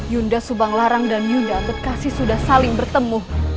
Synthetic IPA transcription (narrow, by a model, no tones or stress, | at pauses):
jundasubaŋlaɾaŋdanjundabətkasɪhsudahsalɪŋbərt̪əmʊh